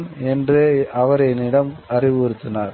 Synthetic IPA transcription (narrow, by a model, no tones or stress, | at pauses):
nɛndreːʔɐʋɐɾɐɪnɪɽɐmɐrɪʋɔɾɯt̪ːɯnaːɾ